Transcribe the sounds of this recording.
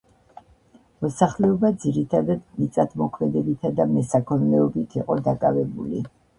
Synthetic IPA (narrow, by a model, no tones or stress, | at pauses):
mɔsaχlɛɔbad̪ziɾit̪ʰad̪ad̪mit̪sʼad̪mɔkʰmɛd̪ɛbit̪ʰad̪amɛsakʰɔnmɛɔbit̪ʰiqʼɔd̪akʼavɛbulḭ